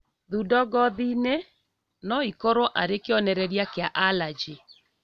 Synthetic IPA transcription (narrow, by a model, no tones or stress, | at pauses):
ðudɔɡɔðine | nɔikɔɾoʔaɾekeɔnɛɾɛɾjakeaʔalad͡ʒe